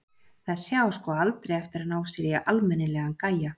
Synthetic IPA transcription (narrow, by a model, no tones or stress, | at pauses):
θaðsjaːwskɔːalt̪ɾejɛft̪ɪɾaðnaːwst̪ɪɾaʔalmɛnːɪlɛːɣankaja